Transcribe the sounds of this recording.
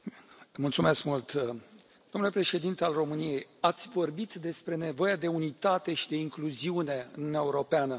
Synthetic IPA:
mult̪sume̞skmult̪ | d̪̥omnulepɾe̞ʃe̞d̪int̪ealro̞mɨnije̞jat̪sʲvo̞rbit̪d̪e̞spɾe̞ne̞vo̞jad̪e̞unit̪at̪e̞ʃid̪e̞iŋkluziune̞ɨ̰nuunʲaeuɾo̞peanə

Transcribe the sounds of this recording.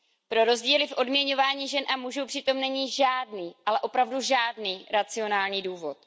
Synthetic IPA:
pɾo̞ɾo̞zɟiːlɪfʔo̞dmɲɛɲo̞vaːɲiːʒɛnʔamuʒuwpr̥ɪt̪o̞mnɛɲiːʒaːdniːʔalɛʔo̞pɾavduʒaːdniːɾat͡sɪo̞naːlɲiːduːvo̞t̪̚

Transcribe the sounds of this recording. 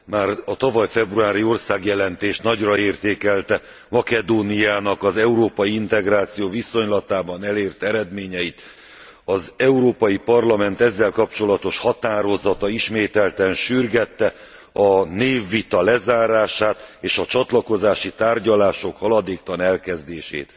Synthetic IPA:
maːrɒt̪ɒvɒjfɛbruaːɾio̞rsaːɡjɛlɛnt̪eːʃt̪nɒɟrɒeːrt̪eːkɛlt̪ɛ | mɒkɛd̪oːnijaːnɒkɒzɛuɾoːpɒjiint̪ɛɡraːt̪sijoːviso̞ɲlɒt̪aːbɒnɛleːrt̪ɛɾɛd̪meːɲɛjit̪ | ɒzɛuɾoːpɒjipɒrlɒmɛnt̪ɛzːɛlkɒp̚t͡ʃo̞lɒt̪o̞ʃhɒt̪aːɾo̞zɒt̪ɒiʃmeːt̪ɛlt̪ɛnʃyrɡɛt̪ːɛ | ɒneːvːit̪ɒlɛzaːɾaːʃaːt̪eːʃɒt͡ʃɒt̪lɒko̞zaːʃit̪aːrɟɒlaːʃo̞khɒlɒd̪eːkt̪ɒnɛlkɛzd̪eːʃḛːt̪

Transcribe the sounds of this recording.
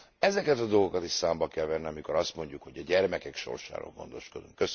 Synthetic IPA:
ɛzɛkɛt̪ɒd̪o̞lɡokɒt̪iʃsaːmbɒkɛlvɛnːiɒmiko̞ɾɒst̪mo̞ɲɟukho̞ɟɒɟɛrmɛkɛkʃo̰rʃa̰ːɾo̰ːlɡo̞̰nd̪o̞ʃko̞d̪uŋkːøs

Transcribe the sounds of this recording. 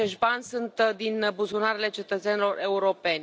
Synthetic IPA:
e̞ʃt̪banʲsunt̪d̪inbuzunaɾele̞t͡ʃe̞t̪ət̪senilo̞re̞uɾo̞pe̞nʲ

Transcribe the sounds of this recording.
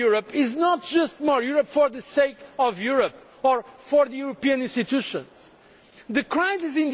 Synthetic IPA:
uɹəpɪznɔt̚d̥ʒ̥ʌst̚mɔɹjuɹɔpfɔɹðɨseɪkɔvjuɹəp̚ | ɔɹfɔɹðɨjuɹopiɨ̃nĩnstit̪uʃə̃nz̥ | ðɨkɹaɪzɪzɪ̃n

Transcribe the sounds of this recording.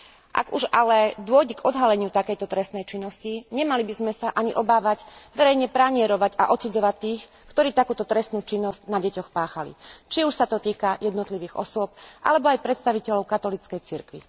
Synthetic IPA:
ʔa̰ɡuʒalɛd̪ʊɔjɟɛɡɔd̪ɦalɛɲɪut̪akɛjt̪ɔt̪ɾɛst̪nɛjt͡ʃinːɔsciɲɛmalibizmɛsaʔaɲiʔɔbaːʋaɟʋɛɾɛjɲɛpɾaɲɪɛɾɔʋaɟaʔɔt̪t͡sud͡zɔʋat̪ːiːx | kt̪ɔɾiːt̪akuːt̪ɔt̪ɾɛst̪nuːt͡ʃinːɔscnaɟɛcɔxpaːxalḭt͡ʃiuʃsat̪ɔt̪iːkajɛd̪nɔt̪liʋiːɣɔ̰sʊɔp̚ʔa̰lɛbɔajpɾɛt̪st̪aʋicɛʎɔʊkat̪ɔlit͡skɛjt͡siɾkʋḭ

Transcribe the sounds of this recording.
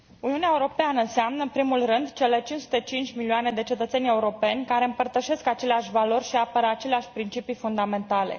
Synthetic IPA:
uniuneaeuɾo̞peanəɨnseamnəɨnpɾimulrɨnd̪t͡ʃe̞le̞t͡ʃinsu̥t̪et͡ʃint͡ʃʲmilioane̞d̪e̞t͡ʃe̞t̪ət̪se̞nʲe̞uɾo̞pe̞nʲkaɾe̞ɨmpərt̪əʃe̞skat͡ʃe̞leaʃʲvalo̞rʲʃiapəɾat͡ʃe̞leaʃʲpɾint͡ʃipifund̪ame̞nt̪ale̞̰

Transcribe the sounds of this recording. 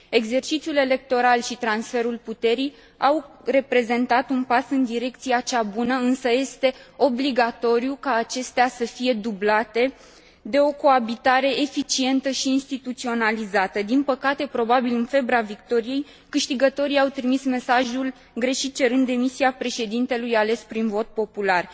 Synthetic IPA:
e̞ɡze̞rt͡ʃit̪sijule̞le̞k̚t̪o̞ɾalʃit̪ɾansfe̞ɾulput̪e̞ɾij | awre̞pɾe̞ze̞nt̪at̪unpasɨnd̪iɾe̞k̚t̪siat͡ʃabunəɨnsəje̞st̪e̞o̞bliɡat̪o̞ɾjukaːt͡ʃe̞st̪easəfije̞d̪ublat̪e̞ | d̪e̞o̞ko̞abit̪aɾe̞efit͡ʃie̞nt̪əʃiːnst̪it̪ut̪sio̞nalizat̪əd̪inpəkat̪e̞pɾo̞babilɨnfe̞bɾavikt̪o̞ɾije̞j | kɨʃt̪iɡət̪o̞ɾiawt̪ɾimisme̞saʒul | ɡɾe̞ʃit̪̚t͡ʃe̞ɾɨnd̪ːe̞misiapɾe̞ʃe̞d̪int̪e̞lujale̞spɾinvo̞t̪̚po̞pular

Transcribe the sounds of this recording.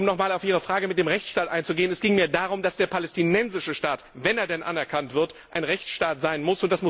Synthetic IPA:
ʊmnɔχmaːlaʊfiːʁəfʁ̥aːɡəmɪt̚d̥eːmʁɛçt͡sʃtaːtʔa̰ɪnt͡suɡeːənɛsɡ̥ɪŋmeːɐdaːʁʊmd̥asd̥eːɐpʰalɛstinɛnzɪʃəʃtaːtvɛneːɐdɛnʔa̰nɛɐkʰantv̥ɪɐtʔaɪnʁɛçt͡sʃtaːtz̥aɪnmʊsʊntd̥asmʊ

